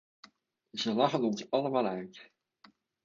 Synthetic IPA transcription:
zəlɑχənɔnsɑləmaːlˠœɥt

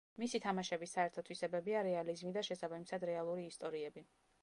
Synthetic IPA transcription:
misit̪ʰamaʃɛbisːaɛɾt̪ʰɔt̪ʰwisɛbɛbiaɾɛalizmid̪aʃɛsabamisad̪ɾɛalˠuɾiːst̪ʼɔɾiɛbi

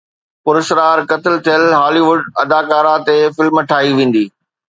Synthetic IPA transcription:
pʊɾɪsɾaːɾkɐt̪ɪlt̪ʰijəlɦaːliʋʊɖɐd̪aːkaːɾãt̪efɪlmʈʰaːɦiʋẽːn̆d̪iː

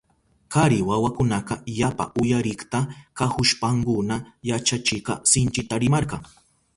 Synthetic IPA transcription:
kaɾɪwawakʊnɑqɑjapa̰ʔʊjaɾɪkt̪akahʊʃpaŋkʊnajat͡ʃat͡ʃɪqɑ̰sɪnt͡ʃɪt̪aɾɪmɑɾɢɑŋ

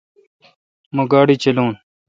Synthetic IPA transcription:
muɡaːɽit͡ɕɐlũːn

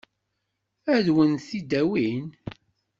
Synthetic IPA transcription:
æðwənθid̪æwin

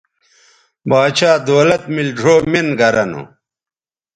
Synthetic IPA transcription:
baːt͡ɕʰaːd̪oːlɐt̪milɖʱoːmenɡɐɾɐnṵ

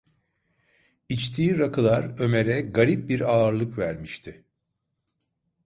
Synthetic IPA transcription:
it͡ʃt̪ʰiːɾakʰɯlˠaɾø̞me̞ɾɛɡaɾip̚biɾaːɾlˠɯkvæɾmiʃt̪ʰɪ

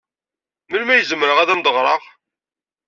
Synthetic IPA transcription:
məlmæjəzəmːəɾəʁæðænd̪əʁɾˤɑʁ

